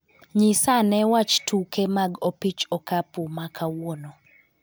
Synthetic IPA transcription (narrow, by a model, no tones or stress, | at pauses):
ɲisanɛwat͡ʃtʰukɛmaɡopit͡ʃɔkapumakʰawono